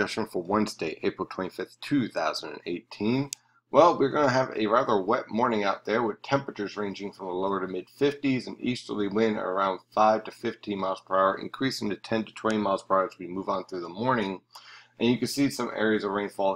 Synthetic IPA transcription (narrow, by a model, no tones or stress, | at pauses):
ʌʃɨ̃nfə˞wʌ̃nzdeɪʔeɪpɹl̩ˠtʰw̥ɛ̃ñifɪθtʰʉθaʊz̃n̩dɨ̰̃nḛɪtʰĩn | wʔɛlˠwiɹɡʌnɨːvɨ̰ɹæðə˞wɛt̚mɔɹnɪ̃ŋaʊt̪̚ðə˞wɨð̥tʰɛ̃mpɹɨt͡ʃə˞zɹẽɪ̃nd͡ʒɪ̃ŋfɹʌ̃mðəloʊə˞ɾɨmɪd̥fɪftizɨ̃n̩ḭstə˞lˠiwɪ̃nə̰˞ãʊ̃nd̥faɪv̥tʰɨfɪftʰĩnmaɪlˠz̥pʰɹ̥aʊə˞ʔɨ̰̃nkʰɹ̥isɪ̃ntɨtʰɛ̃ntɨ̥tʰw̥ɛ̃ɾ̃imaɪlˠz̥pʰə̥˞aʊə˞zʰwimuvn̩θɹʉðəmɔɹnɪ̃ŋʔɨ̃njɨkɨ̃n̥sisʌ̃mʔɛ̰ɹiɨzəvɹẽɪ̃nfɔlˠ